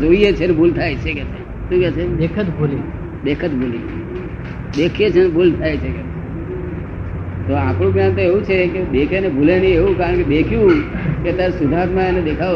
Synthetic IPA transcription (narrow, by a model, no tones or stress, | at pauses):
d͡ʒoijet͡ʃʰenbʱult̪ʰaet͡ʃʰekɛt͡ʃʰe | ʃũkɛt͡ʃʰeekʰət̪bʱuli | ɗ̪ekʰət̪bʱuli | ɗ̪ekʰet͡ʃʰenbʱult̪ʰajet͡ʃʰekɛe | t̪oãpɽ̃ũbjant̪oeʋũt͡ʃʰekeɓekʰenebʱulenieʋũkaːɾəɳkebekʰjũket̪jaɾesʊd̪ʱaɾmãened̪ekʰa